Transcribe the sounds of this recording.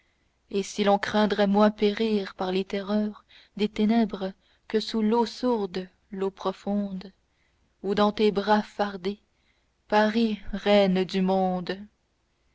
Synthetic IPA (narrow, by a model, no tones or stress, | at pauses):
esilɔ̃kχɛ̃d̪ʁɛmwɛ̃peʁiːʁpaʁlet̪ɛʁœːʁ | d̪et̪enɛbʁə | kəsulosuʁd̪ | lopχɔfɔ̃d̪ | ud̪ɑ̃t̪ebʁafaʁd̪e | paʁiʁɛnd̪ymɔ̃d̪